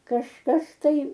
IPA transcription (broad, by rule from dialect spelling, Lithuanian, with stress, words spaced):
kɐʃˈkɐs ˈtɐɪ